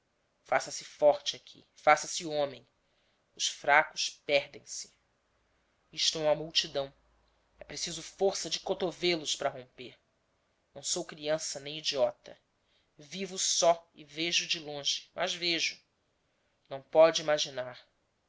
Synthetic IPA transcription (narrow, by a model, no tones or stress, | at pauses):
fasɐsɪfɔɾt͡ʃɪakʰḭfasɐsɪuõmẽj̃ | ʊʃfɾakʊʃpɛhd̪ẽj̃sɪ̥ | iʃt̪ɛũmɐmuwt͡ʃid̪ɐ̃w̃ | ɛpɾesizʊfoɾsɐd͡ʒɪkot̪ovelʊʃpɾɐɦõmpeɾ | nɐ̃w̃sowkɾiɐ̃sɐnẽj̃id͡ʒiɔt̪ɐ̰ | vivʊsɔiveʒʊd͡ʒɪlõʒɪ̥mʔɐzveʒʊ | nɐ̃w̃pɔd͡ʒɪimaʒinaɾ